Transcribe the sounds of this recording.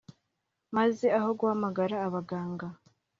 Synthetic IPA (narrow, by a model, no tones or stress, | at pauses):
maze̞aho̞ɡwhamaɡaɾaːβaɡaːŋɡa